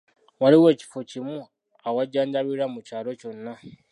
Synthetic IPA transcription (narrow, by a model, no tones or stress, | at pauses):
waliwe̞ːci̥focimu | awaɟaːɲɟaβiɾamucaːlo̞co̞nːa